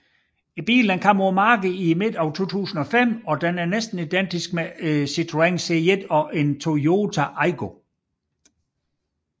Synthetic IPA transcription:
ib̥ḭːlænkʰɑmomɑ̈ːɡ̥iime̝d̥ɒʊt͡sʰo̝̰ːt͡sʰṵːsn̩ɒ̽fem̰ɒ̽d̥enæɐnesd̥n̩id̥en̰d̥isɡ̥mesit͡sʰʁueŋseed̥ɒ̽ʔe̝nt͡sʰo̝jo̝ːt͡sʰæʔɑɪɡ̥o̝

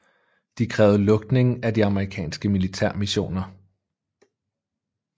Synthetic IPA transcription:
d̥ikʰʁɛːʊlɔ̽ɡ̥̚d̥ne̝ŋæd̥iɑ̈məʁikʰɛ̰ːnsɡ̥əmilit͡sʰæɐ̰miɕo̝̰ːnɐ

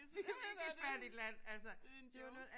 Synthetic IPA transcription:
ifæɐd̥id̥læn̰ælsɐd̥e̝ʋɑnɔ̽ːð̩ˠ

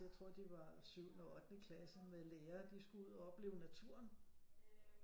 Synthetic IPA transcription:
jaɪt͡sʰʁo̝ɐ̰d̥iʋɑ̈syʊ̰nɒɒd̥n̩ikʰlæsmeleːɐːd̥isɡ̥uuð̰ˠɒɒ̽b̥le̝ːʊnæt͡sʰuɐn

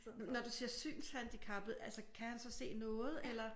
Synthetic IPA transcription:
nɒd̥usiːɐsy̰ːnshænd̥ikʰɑ̈b̥ð̩ˠʔælsəkʰæhænsɒ̽se̝̰ːnɔ̽ːð̞̩ˠelɐ

